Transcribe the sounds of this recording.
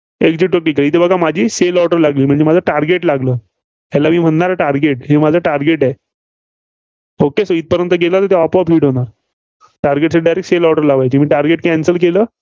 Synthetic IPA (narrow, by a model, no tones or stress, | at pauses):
ekd͡ʑiʈʈəkːikəɭit̪ebəɡʱamad͡ʑʱiːselɔʈəɾlaɡliːm̤əɳd͡zemad͡zʱaʈaɾɡeʈlaɡləː | ɦalamiːm̤əɳnaɾaʈaɾɡeʈɦemad͡zʱaʈaɾɡeʈa | okesəiːt̪̚pəɾjənt̪əɡelat̪əɾt̪eɔpapʰiːʈɦoɽ̃aɾ | ʈaɾɡeʈsəɖajɾek̚ʈselɔʈəɾlaʋajt͡ɕiːmiːʈaɾɡeʈkɛ̃nsəlkeləː